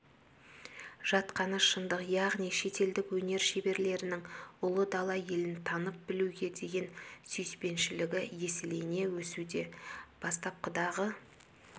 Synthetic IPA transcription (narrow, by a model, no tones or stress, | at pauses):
ʒ̥ɑt̪qɑnəʃənd̪əqjɑʁnijʃe̞t̪e̞ld̪ɪkwɵne̞ɾʃe̞be̞ɾle̞ɾɪnɪŋʊlˠəd̪ɑlˠɑje̞lɪnt̪ʰɑnəp̚bɪluɡʲe̞d̪e̞ɡʲe̞nsʏjspe̞nʃɪlɪɡʲɪje̞sɪlene̞wɵsud̪e̞b̥ɑst̪ɑp̚qʰʊd̪ɑʁə